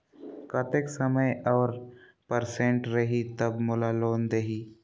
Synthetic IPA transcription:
kɐt̪eksɐməjɔːɾ | pəɾsẽɳʈɾɐɦit̪ɐbmʊlaloːnd̪eɦiː

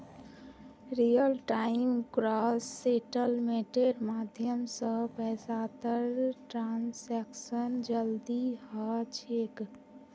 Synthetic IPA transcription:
ɾijəlʈaːɪmkɾaːsːeʈəlmeʈeɾmaːd̪ʱjəmsəpɛːsaːt̪əɾʈɾaːnsɛksənd͡ʒəld̪ihat͡ʃʰek

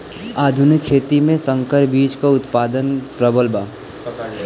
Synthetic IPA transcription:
aːd̪ʱʊnɪkːʰeːt̪imẽsə̃ŋkəɾbiːd͡ʒkaʊt̪paːd̪ənpɾəbəlbaː

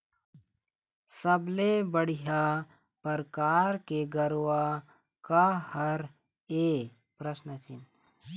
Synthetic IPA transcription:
sɐblebəɽ̤ija | pɐɾkaːɾkeɡɐɾwa | kahɐɾ | eː | pɾəsnət͡ʃɪ̰n

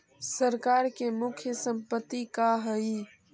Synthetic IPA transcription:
səɾkaːɾkemukʰjəsə̃mpət̪ːikaɦəi

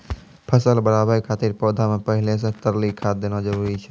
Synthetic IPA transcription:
pʰəsəlbəɾaːbəɾikʰaːt̪iɾpɔːd̪ʱamẽpəɦɪles̬ẽt̪əɾlikʰaːt̪̚d̪eːnod͡ʒəɾuːɾit͡ʃʰɛ

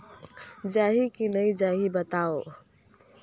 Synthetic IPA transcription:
d͡ʒaɦikinəid͡ʒaɦibət̪ao

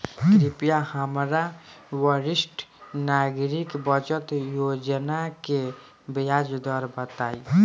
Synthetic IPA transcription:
kɾipijahəmɾawəɾɪsʈʰnaɡɾikbət͡ʃət̪jod͡ʒənake | bəjad͡ʒd̪ɔɾbət̪aːi

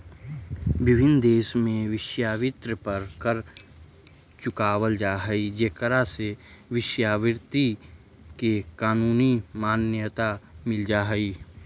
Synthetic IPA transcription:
bɪbʱɪnd̪eːʃmẽʋɪʃjaːʋɪt̪ɾəpəɾkəɾ | t͡ʃʊkaːwəld͡ʒaːɦəid͡ʒekəɾaseʋɪʃjaːʋɪɾt̪i | kekaːnuːnimaːnjət̪amɪld͡ʒaːɦəi

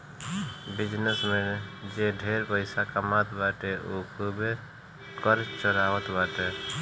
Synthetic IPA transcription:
bɪd͡ʒnesmed͡ʒeɖʱeɾpəɪsakamat̪baʈeʔokʰube | kəɾt͡ʃt͡ʃəɾaʋət̪baʈe

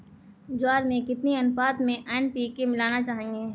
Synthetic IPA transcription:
d͡ʒwaːɾmẽkɪt̪niɐnʊfaːt̪mẽʔɛːnpiːkemɪlaːnat͡ʃaːɦẽːŋɡeː

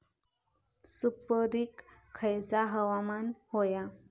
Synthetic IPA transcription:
supəɾikʰː | əjd͡zaɦəʋamanhoja

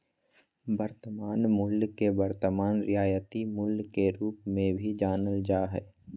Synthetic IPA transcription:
bəɾt̪əmaːnmʊlɡkebəɾt̪əmaːnɾɪjaːjət̪imʊlɡkeɾuːpmẽbʱid͡ʒaːnəld͡ʒaːɦɛː

